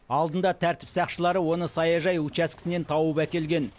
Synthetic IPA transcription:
ɑlˠd̪ənd̪ɑt̪ʰæɾt̪ɪ̥psɑqʃəlˠɑɾəwo̞nəsɑjɑʒɑjut͡ʃæskʲɪ̥sɪne̞nt̪ʰɑwəpækʲe̞lɡʲe̞n

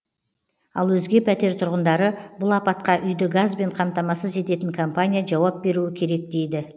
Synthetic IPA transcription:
ɑlˠwɵzɡʲe̞pʰæt̪e̞ɾt̪ʰʊɾʁənd̪ɑɾəbʊlˠɑpɑt̪̚qɑʔʏjd̪ɪɡazbe̞ɴqʰɑmt̪ɑmɑsəze̞t̪e̞t̪ɪŋkʰompanʲijaʒɑwɑp̚be̞ɾuɪkʲʰe̞ɾe̞k̚d̪e̞jd̪ɪ

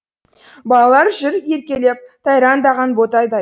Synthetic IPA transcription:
bɑlˠɑlˠɑɾʒɪɾe̞ɾkʲe̞le̞p̚t̪ʰɑjɾɑnd̪ɑʁɑnbo̞t̪ɑjd̪ɑ

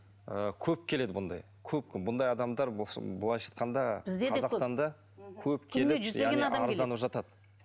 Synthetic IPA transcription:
əkʲʰɵp̚kʲʰe̞le̞d̪ɪbʊnd̪ɑ̰j | kʲʰɵp̚kʲɪbʊnd̪ɑjɑd̪ɑmd̪ɑɾbsbəlˠɑjʒɑ̥t̪qɑnd̪ɑbɪzd̪eɑzɑqsst̪ɑnd̪ɑ | kʲʰɵp̚kʲʰe̞lɪʒzjæʁɡeniɑɾd̪ɑnəpʒɑt̪ɑd̪ə

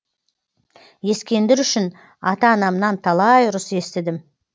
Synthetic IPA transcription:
e̞skʲe̞nd̪ɪɾʏʃɪn | ɑ̰t̪ɑːnɑmnɑnt̪ʰɑlˠɑjɾʊse̞st̪ɪd̪ɪm

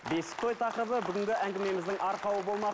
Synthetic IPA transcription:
be̞sɪ̥t̪ʰo̞jt̪ʰɑqɾəbəbʏɡʲɪŋɡʲɪʔæŋɡʲɪme̞mɪzd̪ɪŋʔɑɾqʰɑwəbo̞lˠmɑ

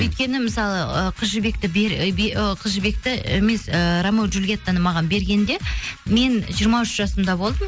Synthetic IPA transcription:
wɵjt̪̚kʲe̞nɪməsɑlˠəəqʰəzʒəbe̞kt̪ɪbeɾbqʰəzʒəbe̞k̚t̪ɪḛme̞səɾɑmuʒulɡʲet̪ːɑnəmɑʁɑnbe̞ɾɡʲe̞nd̪e̞me̞nʒijəɾmɑʏʃʒ̥ɑsəmd̪ɑbo̞lˠd̪əm

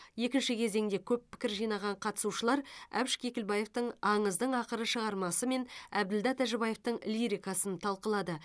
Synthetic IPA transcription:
je̞kʲɪnʃɪkʲʰe̞ze̞ŋd̪e̞kʲʰɵpʰːɪ̥kʲɪɾʒijnɑʁɑɴqʰɑt̪ə̥suʃəlˠɑɾæ̰bʃkʲʰe̞kʲɪlbɑje̞ft̪əɴɑɴəzd̪əɴɑqəɾəʃəʁɑɾmɑsəme̞næb̚d̪ɪld̪ɑt̪ʰæʒɪbɑje̞ft̪əɴliɾijkɑsənt̪ʰɑlˠqəlˠɑd̪ə

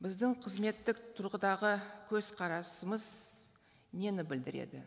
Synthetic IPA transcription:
bɪzd̪ɪɴqʰəzme̞t̪ːɪkt̪ʰʊɾʁəd̪ɑʁəkʲʰɵzqʰɑɾɑsəməz | ne̞nɪbɪld̪ɪɾḛd̪ɪ̰

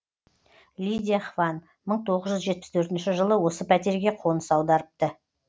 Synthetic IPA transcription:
lʲijd̪ʲijaχvɑn | məɴt̪ʰo̞ʁəzʒʏzʒet̪̚pɪ̥st̪ʰɵɾt̪ɪnʃɪʒəlˠəwo̞səpʰæt̪e̞ɾɡʲeqʰo̞nəsɑwd̪ɑɾəp̚t̪ə

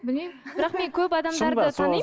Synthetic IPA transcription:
bɪlmejmbɪɾɑqme̞ŋkʲʰɵp̬ɑd̪ɑmd̪ɑɾdət̪ʰɑn

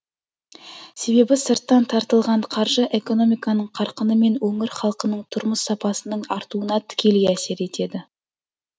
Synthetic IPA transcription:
se̞be̞bɪsəɾt̪ːɑnt̪ʰɑɾt̪əlˠʁɑɴqʰɑɾʒəʔe̞ko̞no̞mijkɑnəɴqʰɑɾqənəme̞nwɵŋɪɾχɑlˠqənəɴt̪ʰʊɾməsːɑpɑsənəɴɑɾt̪uənɑt̪ʰɪ̥kʲe̞lɡʲeæse̞ɾe̞t̪e̞d̪ɪ

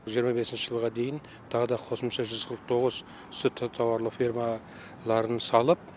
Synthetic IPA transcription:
ʒijəɾmɑbe̞sɪnʃəʒəlˠʁɑd̪e̞jɪn | t̪ʰɑʁəd̪ɑqʰo̞səmʃɑʒʏzqʰəɾəq̚t̪ʰo̞ʁəz | ʏ̥sɪt̪ʰt̪ʰɑwɑɾlˠəfʲirma | lˠɑɾənsɑlˠəp̚

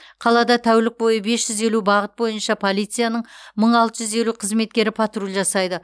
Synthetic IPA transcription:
qʰɑlˠɑd̪ɑt̪ʰæwlɪk̚bo̞jəbe̞sʒ̥ʏze̞lubɑʁət̪̚bo̞jənʃɑpʰo̞lˠijt̪sɨijanəɴməɴɑlˠt̪əʒʏze̞luqʰəzme̞t̪̚kʲe̞ɾɪpʰɑt̪rulʲˠʒɑsɑjd̪ə

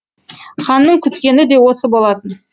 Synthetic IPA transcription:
χɑnːəɴkʲʰʏt̪kʲe̞nɪd̪e̞wo̞səbolˠɑt̪ən

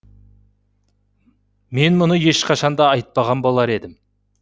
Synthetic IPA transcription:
me̞nmʊnəje̞ʃqʰɑʃɑnd̪ɑɑjt̪̚pɑʁɑnbo̞lˠɑɾe̞d̪ɪm

